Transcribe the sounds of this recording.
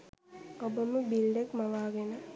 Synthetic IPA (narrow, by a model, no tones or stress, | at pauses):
ɔbɐmubilɖekmɐʋaːɡenɐ